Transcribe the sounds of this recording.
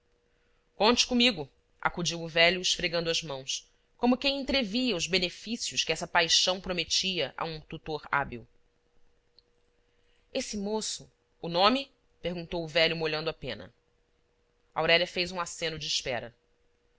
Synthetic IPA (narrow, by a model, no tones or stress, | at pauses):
kõnt͡ʃɪ̥kõmiɡʊ | ʔa̰kud͡ʒiwʊvɛʎʊɪʃfɾeɡɐ̃nd̪ʊɐzmɐ̃w̃s | kõmʊkẽj̃ẽt̪ɾeviɐʊzbenefisiʊʃkɪɛsɐpajʃɐ̃w̃pɾomet͡ʃiɐʔa̰ũt̪ut̪oɾa̰biw | esɪmosʊː | nõmi | pehɡũnt̪owʊvɛʎʊmoʎɐ̃nd̪ʊapḛ̃nɐ̰ | a̰wɾɛʎɐfejzũasẽnʊd͡ʒɪːʃpɛ̰ɾɐ